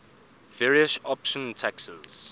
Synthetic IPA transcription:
vɛɹiəsɔpʃɔ̃ntʰɛksə̰z̥

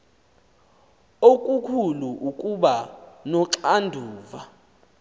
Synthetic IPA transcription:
okʼukʰuluʔukʼuɓanɔǁandʱuːva

